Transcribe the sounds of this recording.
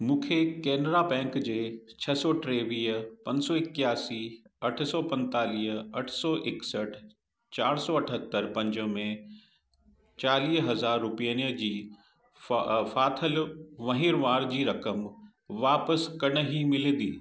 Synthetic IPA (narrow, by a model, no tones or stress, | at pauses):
mũːkʰekɛːnɾabɛ̃ːŋkd͡ʑeːt͡ɕʰɐsɔʈɾeːʋiːəpɐ̃ɲsɔɪkjaːsiːɐʈʰsɔːpɐ̃nt̪aːliːɦɐʈʰsɔʔɪksəʈʰ | t͡ɕaːɾsɔɐʈʰət̪ːəɾpɐ̃ɲd͡ʑəmẽ | t͡ɕaːliːsɦɐzaːɾːʊpijəniəd͡ʑiː | faːt̪ʰəlʋɐ̃ɦiɾʋaːɾd͡ʑiːɾɐkəm | ʋaːpəskɐɽ̃əɦimɪled̪ḭː